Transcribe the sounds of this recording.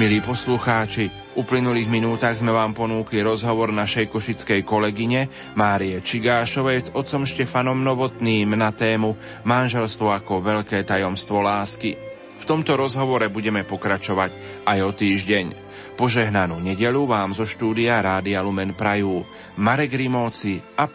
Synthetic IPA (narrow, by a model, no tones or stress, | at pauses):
miliːpɔsluxaːt͡ʃi | vuplinuliːɣminuːt̪aːɣzmɛʋaːmpɔnuːkliɾɔzɦɔʋɔɾnaʃɛjkɔʃit͡skɛjkɔlɛɡiɲɛ | maːɾiɛt͡ʃiɡaːʃɔʋɛjzɔt̪t͡sɔmʃcɛfanɔmnɔʋɔt̪niːmnat̪ɛːmu | manʒɛlst̪ʋɔakɔʋɛʎkɛːt̪ajɔmst̪ʋɔlaːski | ft̪ɔmt̪ɔɾɔzɦɔʋɔɾɛbuɟɛmɛpɔkɾat͡ʃɔʋac | ajɔt̪iːʒɟɛɲ | pɔʒɛɦnanuːɲɛɟɛʎuʋaːmzɔʃt̪uːd̪iaɾaːd̪ialumɛnpɾajuː | maɾɛɡɾimɔːt͡sia